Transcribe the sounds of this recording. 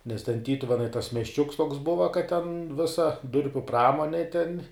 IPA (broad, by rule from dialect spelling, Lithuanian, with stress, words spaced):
nʲɛs tʲɛn ˈtʲiːtʊʋʲɛnɐɪ tɐs mʲiɛsʲˈt͡ʃʲʊks toːks ˈbʊʋɐ kɐt tʲɛn ˈʋʲɪsɐ ˈdʊrʲpʲʊ ˈprɑːmoːnʲeː tʲɛn